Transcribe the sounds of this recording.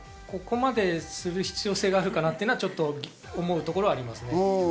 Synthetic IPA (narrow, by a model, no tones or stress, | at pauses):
ko̞ko̞mad̪e̞sɨɾɯ̟çi̥t͡sɨjo̞ːse̞ːɡaːɾɯ̟kanat̪ejɯnoaβat͡ɕo̞t̪ːo̞ɡʲ | omo̞ɯ̟t̪o̞ko̞ɾo̞aɾʲimasɨne